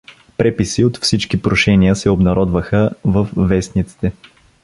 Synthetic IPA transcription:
pɾɛpisiot̪fsit͡ʃkipɾoʃɛniəsɛobnɐɾɔd̪vəxəvəfːɛsnit̪si̥t̪ɛ

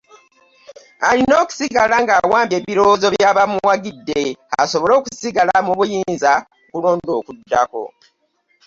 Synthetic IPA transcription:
alino̞ːku̥siɡalaŋɡaːwaːmbje̞ːβiɾo̞zo̞βjaːβamuwaɡidːe̞a̰so̞βo̞lo̞ːkusiɡalamuβujiːnza | kuloːndo̞ːkudːa̰ko̞̰

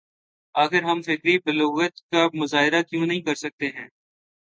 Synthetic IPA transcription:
aːxɪɾɦɐmfɪkɾibəloːɣət̪kamʊzaːɦɪɾakjũːnɐɦĩːkɐɾsɐk̚t̪eɦɛ̃ː

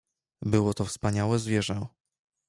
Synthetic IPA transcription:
bɘwɔt̪ɔfspaɲawɛzvʲjɛʐɛ

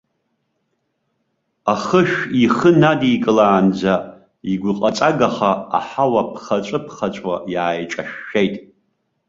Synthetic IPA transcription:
aχəʃᶣiχənadiːkʼɨlaːnd͡za | iɡʷʊqʼat͡sʼaɡaχa̰ːħawapʰχat͡ʃʷʼɨpʰχat͡ʃʷʼwa̰jaːjʈ͡ʂʼaʃːejtʼ

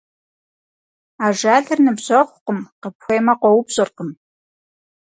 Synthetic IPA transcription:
aːʒaːɮɨrnɨbʑɐχʷʊqəmqəpxʷejmɐqʷɔwʊbʑʼɨrqəm

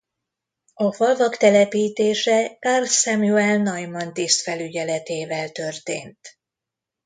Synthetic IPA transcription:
ɒfɒlvɒkt̪ɛlɛpiːt̪eːʃɛkarsɛmuɛlnɒjmɒnt̪ist̪fɛlyɟɛlɛt̪eːvɛlt̪ø̞rt̪ḛːnt̪

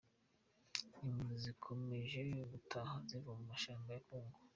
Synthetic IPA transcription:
imuzikʰome̞ʒe̞joβutʰahazivamumaʃaːmbajakuːŋɡo

